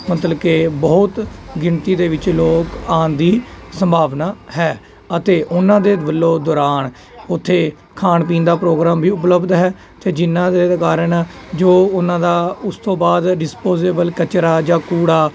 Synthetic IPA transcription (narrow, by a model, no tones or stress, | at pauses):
mət̪ləbkeːbɔːt̪ɡɪɳt̪iːd̪eːʋɪt͡ʃloːkaːnd̪iːsəmbʱaːʋnaːɦɛː | ət̪eːʔʊnãːd̪eːbəlːoːd̪ɔːɾaːn | ʊt̪ʰːeː | kʰaːɳp̬ĩːnd̪aːpɾoːɡɾaːmbʱiːʊp̬ləbd̪ɦɛː | t̪eːd͡ʒɪnːãːd̪eːkaːɾənd͡ʒoːʊnãːd̪aːʊst̪õːbaːd̪ɖɪspoːzeːbəlkət͡ʃɾaːd͡ʒãːkuːɽaː